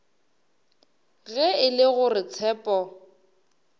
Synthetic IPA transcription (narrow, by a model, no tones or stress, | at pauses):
ɣɛɪlɪɣʊrɪt͡sʰɛːpʼɔ